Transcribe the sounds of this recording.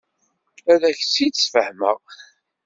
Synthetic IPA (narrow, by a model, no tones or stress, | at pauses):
æðæçt͡sːit̪ːsfəhmæ